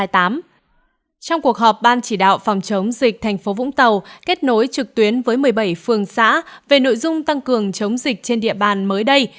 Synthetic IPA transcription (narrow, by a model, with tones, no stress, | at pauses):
jt̪aː˨˦m | t͡ɕɔ˧wŋ͡mku˨˩ək̚ɦɔ˨˩p̚ɓaː˧nt͡ɕi˧˩ɗa̰ː˧˨wfɔ˨˩wŋ͡mt͡ɕə˨˦wŋ͡mzi˨˩k̚t̪ʰɛ˨˩jŋ̟fo˨˦vʊ̰˧˥ŋ͡mt̪ə˨˩wke˦˥t̚no˨˦jt͡ɕɨ˨˩k̚t̪wi˨˦ənvəː˨˦jmɨ˨˩əjɓə˧˩jfɨ˨˩əŋsa̰ː˧˥ve˨˩no̰˧˨jzʊ˧ŋ͡mt̪a˧ŋkɨ˨˩əŋt͡ɕə˨˦wŋ͡mzï˨˩k̟̚t͡ɕe˧nɗḭ˧˨əɓaː˨˩nməː˨˦jɗə˧j